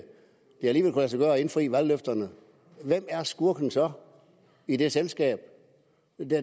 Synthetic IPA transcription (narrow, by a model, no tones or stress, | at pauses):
d̥e̝æliːʋelkʰulæsɐɡ̥ɶːɐe̝nfʁḭːʋælløfd̥ɐnə | ʋem̰æɐsɡ̥uɐɡ̥n̩sɒ | id̥eselsɡ̥ɛ̰ːb̥ | d̥e